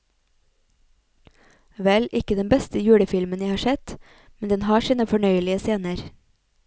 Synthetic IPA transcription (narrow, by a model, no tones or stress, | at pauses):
ʋɛlʔɪkəd̪ɛnbɛst̪əjʉːɽəfɪlmənjæɪhɑːʃɛt̪ | mɛnd̪ɛnhɑːʃiːnəfɔɳœʏəlɪəseːnəɾ